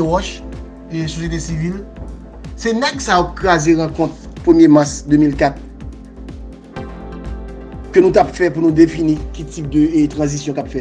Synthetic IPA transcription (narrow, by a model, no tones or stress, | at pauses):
ɔʃ | esosjet̪esivil | sɛnɛksaokʁazeʁãkɔ̃t̪̚ | pʁəmjemasd̪ømilkat̪̚ | kønũt̪apfɛpunũd̪efinĩkitip̚d̪øt̪ʁɐ̃zisjɔ̃kapfɛ